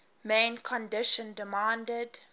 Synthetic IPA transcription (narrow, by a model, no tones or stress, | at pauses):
mẽnkʰɔ̃ndɪʃə̃ndɪmãndəd